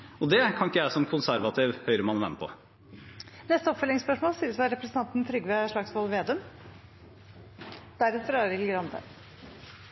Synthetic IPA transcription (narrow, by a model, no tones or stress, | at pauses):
ɔd̪ɛkʰɑnɪkːəæsɔmkʰʊnsæɾʋɑt̪ʰiːʋhœʏɾəmɑnʋ̪ɛ̰mpʰɔ̰ | nɛst̪əɔpfœlɪŋspœʂmoːlsiːɾəsʋɑɾɛpɾəsənt̪ɑnt̪n̩t̪ʰɾʏɡʋeʂɭɑɡsmɔlʋeːd̪əm | d̪̥æɾɛt̪ʰəɾɑːɾɪlɡɾɑnd̪ə̰